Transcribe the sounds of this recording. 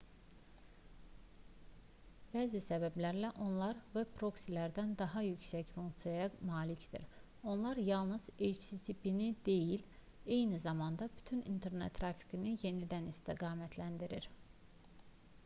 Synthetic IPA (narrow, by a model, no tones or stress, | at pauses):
b̥æːzisæbæblæɾlæʔo̞nlˠɑɾvɛpʰɾo̞ksilæɾd̪ænd̪ɑɦɑjycsæcfuŋkt̪sijɑjɑmɑːlicd̪̥ḭɾ | o̞nlˠɑɾjɑlˠnɯz̥et͡ʃsisipinid̪e̞jil | e̞jnizɑmɑnd̪ɑby̥t̪ʰynḭnt̪ʰe̞ɾnḛt̪ʰːɾɑfi̥ɡinɯje̞nid̪ænist̪ʰiɡɑːmæt̪ʰlænd̪iɾiɾ